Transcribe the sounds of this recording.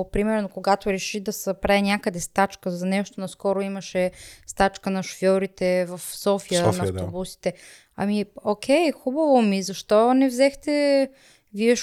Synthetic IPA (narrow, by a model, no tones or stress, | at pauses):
pɾimɛɾnokoɡat̪oɾɛʃid̪ɐspɾaɛnʲjakəd̪ɛst̪at͡ʃkəzɐnɛʃt̪onɐskɔɾoimɐʃɛst̪at͡ʃkənɐʃo̥fjɔɾit̪ɛvɐfsɔfijənɐːfobusi̥t̪ɛ | ɐ̰miokʰʲɛjxubəvomizɐʃt̪ɔnɛvzɛxt̪ɛ | viɛ